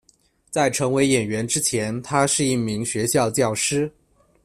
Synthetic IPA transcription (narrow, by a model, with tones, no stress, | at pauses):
t͡sa˥˩ɪʈ͡ʂʰɤ˧˥ŋwe˧˥ɪjɛ˨˩nɥɛ˧˥nʈ͡ʂɻ̩˥t͡ɕʰjɛ˧˥nt̪ʰa˥ʂɻ̩˥˧i˥˩mi˧˥ŋɕɥɛ˧˥ɕjɑ˥˧ʊt͡ɕjɑ˥˩ʊʂɻ̩˥